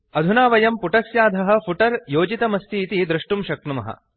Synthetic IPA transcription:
ɐd̪ʱunaːʋɐjɐmpuʈɐsjaːd̪ʱɐɦɐ̆pʰuʈɐɾjoːd͡ʒit̪ɐmɐst̪ʰiːt̪id̪ɾuʂʈumʃɐk̚t̪umɐ̰ɦɐ̰

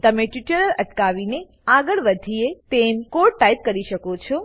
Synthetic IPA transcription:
t̪əmeʈʋiʈəɾələʈkaʋine | aɡəɭʋəd̪ʱiet̪emkoɖʈajt̪̚kəɾiʃəkot͡ʃʰo

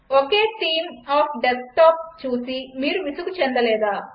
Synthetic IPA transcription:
okeːt̪iːmaːpʰɖesʈaːp̚t͡ʃuːsimiːɾuʋisukut͡ʃend̪ɐlɛːd̪aː

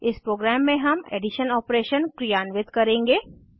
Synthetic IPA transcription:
ɪspɾoːɡɾæːmːẽɦɐmḛːɖɪʃənɔːpɾeːʃənkɾijaːnʋɪt̪kɐɾẽːŋɡeː

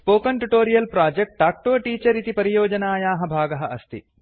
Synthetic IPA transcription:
spoːkɐɳʈuʈoːɾijɐlpɾaːd͡ʒek̚ʈ̚ɖaːk̚ʈoːʈiːt͡ʃɐɾit̪ipɐɾijoːd͡ʒɐnaːjaːɦɐbʱaːɡɐɦɐʔɐst̪ḭ

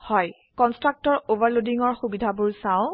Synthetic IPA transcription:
hɔj | kɔnstɹak̚tɔɹovaɹlodiŋɔɹxubidʱabʊɹsãʊ̃

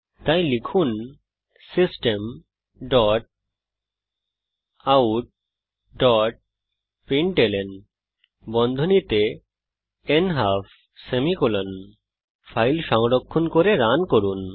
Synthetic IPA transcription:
t̪ajlikʰun | sisʈem | ɖɔʈ̚ | auʈ̚ | ɖɔʈ̚ | piɳʈelen | bɔnd̪ʱonit̪e | enɦapʰ | semikulɔn | pʰajlʃɔŋɖɔkʰːunkoɾeɾankoɾun

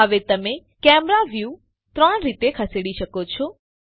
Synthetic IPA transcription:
əʋet̪əme | kɛmɾaʋju | t̪ɾəɳɾit̪ekʰəseɽiʃəkot͡ʃʰɔ

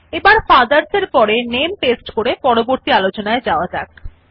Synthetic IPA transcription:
ebaɾfad̪aɾseɾpɔɾenempesʈkoɾepɔɾoboɾt̪ialot͡ɕonaed͡ʑaoad͡ʑa̰k

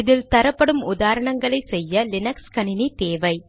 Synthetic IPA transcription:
ɪðɪlt̪ɐɾɐpːɐɽɯmʊðaːɾɐɳɐŋɡɐɭɐɪsɛjːɐlɪnɐkskɐnɪnit̪eːʋɐɪ

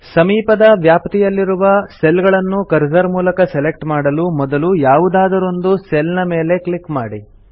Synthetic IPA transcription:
sɐmiːpɐd̪ɐʋjaːpt̪ijɐlːiɾuʋɐselɡɐɭɐnːukɐɾzɐɾmuːlɐkɐsele̞k̚ʈmaːɽɐlumɔd̪ɐlujaːʋud̪aːd̪ɐɾo̞nd̪uselnɐme̞ːle̞kɭikmaːɽi

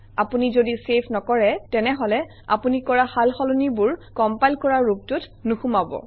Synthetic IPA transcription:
apunizodisepʰnɔkɔɹɛtɛnɛɦɔlɛ | a̰punikɔɹahalxɔlunibʊɹkɔmpajlkɔɹaːuk̚tut | nuxumabɔ̰

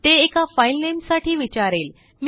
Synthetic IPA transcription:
t̪eːkafajlnemsaʈʰiːʋit͡ɕaɾel | m

